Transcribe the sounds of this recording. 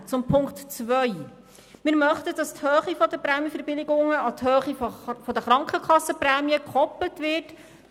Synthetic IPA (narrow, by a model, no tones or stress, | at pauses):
t͡sʊmpʰʊŋktt͡svœʏ | mɪːɾmœχtəd̥ɑsthøːχifɔdəpɾæːmjəfɛɾbɪlɪɡʊŋəɑthøːχifɔdəχɾɑŋkχəkχɑsːəprɛːmjəkχɔplətvɪt